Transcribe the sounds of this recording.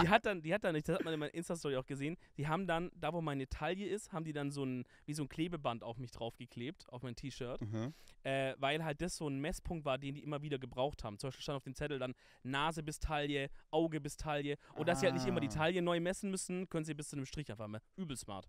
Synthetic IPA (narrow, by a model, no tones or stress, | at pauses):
d̥iːɦat̚d̥and̥iːhat̚d̥anɪçd̥ashatmanɪnmaɪʔɪnstas̬tɔʁiaʊxɡ̥əzeːənd̥iːɦaːbm̩dandaːvoːmaɪnetʰaljəɪsthaːbm̩diːdanzoːn | viːzoːnkʰleːbəbantaʊfmɪçd̥ʁaʊfɡ̥əkʰl̥eːp̚tʔa̰ʊfmaɪntʰiːʃœɐtʔɛːvaɪlɦalt̚d̥asz̥oːnmɛspʰʊŋktv̥aːɐdeːndiːʔɪmɐviːdɐɡəbʁaʊxtha̰ːbm̩t͡sʊmbaɪʃpil̩ːtandaʊfdeːmt͡sɛtl̩dan | naːzəbɪstʰaljəʔaʊɡəbɪstʰaljəʔʊnt̚d̥asziːhaltnɪçtɪmɐdiːtʰaljənɔʏmɛsn̩mʏsn̩kʰœnənziːbɪst͡sunɪmʃtʁ̥ɪçʔaɪfaχmaʔyːbl̩sma̰ːɐt